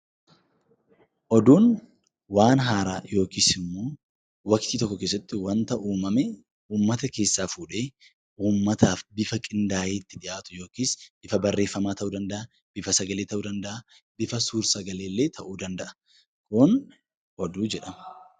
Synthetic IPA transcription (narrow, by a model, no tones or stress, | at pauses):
ʔɔd̪uːn | waːnɦaːɾaːjo̞ːkiːsɪmːoː | wɐkt̪iːt̪ɔkːɔke̞ːsːɐt̪ːɪwɐnt̪ɐʔuːmɐmɛ | uːmːɐt̪ɐke̞ːsːaːfuːᶑe̞ː | uːmːɐt̪ʰaːfbɪfɐkʼɪnd̪aːjeːt̪ːɪᶑɪʔaːt̪ʊ̥jo̞ːkiːsb̥ɪfɐbɐrːe̞ːfːɐmaːt̪ɐʔuːd̪ɐnd̪ɐʔɐ | b̥ɪfɐsɐɡɐleːt̪ɐʔuːd̪ɐnd̪ɐʔɐ | bɪfɐsuːɾsɐɡɐle̞ːlːe̞ːt̪ʰɐʔuːd̪ɐnd̪ɐʔɐ̥ | kʊn | ʔɔd̪uːd͡ʒɛᶑɐm